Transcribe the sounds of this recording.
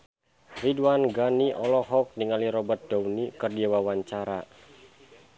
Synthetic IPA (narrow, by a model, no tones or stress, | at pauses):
riduwanɡaniʔɔlɔɦɔk̚niŋaliɾɔbət̪̚d̥awnikərdiawawaɲt͡ʃaɾa